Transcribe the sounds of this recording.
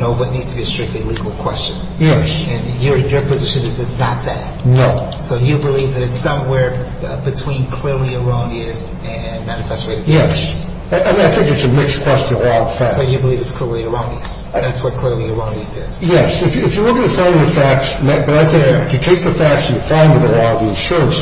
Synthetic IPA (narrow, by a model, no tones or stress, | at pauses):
noʊvʌtⁿnidz̥tʰəbiɨstɹ̥ɪk̚tˡliliɡl̩ˠkʰw̥ɛst͡ʃɨ̃n | jɛsɨ̃njə˞jə˞pʰɨzɪʃɨ̃nɨzɨznət̪̚ðɨ̰t̚noʊ | soʊjɨbəlivðɨɾɨtsʌ̃mwɛɹ | bɨtʰw̥ĩnkʰl̥ɪɹlˠiə˞õʊ̃niɨz | ɨ̃nmænɨfɛstɹ̥eɪɾɨ̥jɛs | aʔaɪmĩnaɪθɪ̃ŋk̚ðɨtsɨmɪkskʰw̥ɛst͡ʃɨ̃nəlɔʌv̥fæsoʊjɨbəlivɨtskʰl̥ɪɹlˠiə˞õʊ̃niɨs | ðætswʌt̚kʰl̥ɪɹlˠiə˞õʊ̃nisɪz̥jɛsɨfjɨːfjə˞lʊkɪ̃ŋɨtfãñŋðəfæk̚smɨb̥ʌɾaɪθɪ̃ŋɨtʰeɪk̚ðɨfæk̚sɨ̃n̩jɨpʰl̥ãɪɪ̃ŋwɨðəlɔʌvðiɨ̃nʃʊɹə̃ns